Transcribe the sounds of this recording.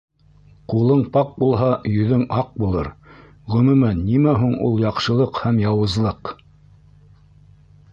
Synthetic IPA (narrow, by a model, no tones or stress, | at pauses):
qulˠɤɴpɑq̚bulˠɦɑjɵ̆ðɵŋɑq̚bulˠɤ̰ɾ | ʁɵ̆mʉmænːimæɦuɴṵlˠjɑqʃɤ̆lˠɤqhæmjɑwɤ̆zlˠɤq